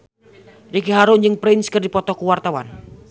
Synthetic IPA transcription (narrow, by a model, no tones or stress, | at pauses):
rikiɦaɾʊnd͡ʒɨŋpɾɪnskərdipɔt̪ɔkuwart̪awa̰n